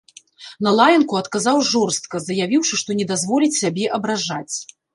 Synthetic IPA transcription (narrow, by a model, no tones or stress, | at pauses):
nɐlˠajɐnkuɐt̪kazawʐɔrst̪̚kɐzɐjavʲiwʂɨʂt̪ɔnʲɛd̪azvɔlʲit͡sʲsʲabʲɛʔɐbɾaʐat͡sʲ